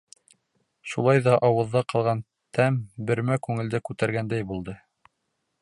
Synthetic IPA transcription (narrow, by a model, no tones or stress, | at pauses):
ʃulˠɑjðɑʔɑwɤ̆ðːɑqɑlˠʁɑn | t̪ʰæmbɘ̆ɾmækʉŋɘ̆ld̪ɘkʉt̪æɾɡænd̪æjbulˠd̪ɤ